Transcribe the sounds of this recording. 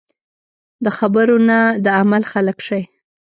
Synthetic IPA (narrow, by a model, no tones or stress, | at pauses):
d̪əxabəɾonad̪əamalxaləkʂaj